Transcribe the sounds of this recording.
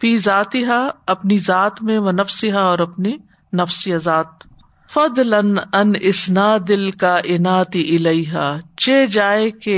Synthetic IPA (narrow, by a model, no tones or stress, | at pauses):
fiːzaːt̪ɪɦaɐpnizaːt̪mẽʋɐnɐfsɪɦaɔːɾɐpni | nɐfsijazaːt̪̚ | fɐd̪lɐnɐnɪsnaːd̪ɪlkaːʔɪnaːt̪iʔɪlɐjɦaːt͡ʃeːd͡ʒaːeke